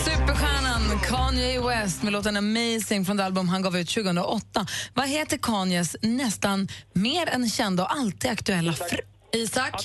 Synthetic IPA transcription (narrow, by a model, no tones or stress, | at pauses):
sʉ̟ːpəɾɧæːɳankʰɑːnjaɪwɛst̪mɛloːt̪aɛnamɛjsɪŋfɾɔnd̪ɛalbɵmɦanɡɑːvʉ̟ːt̪ɕʉːɡəɵnɾa̰ʔɔt̪ːavaɦeːt̪əɾkʰɑːnjəsnɛst̪anmeːɾɛnɕɛnd̪aɔalt̪ʰiːd̪akt̪ɵɛlːafɾ | iːsakː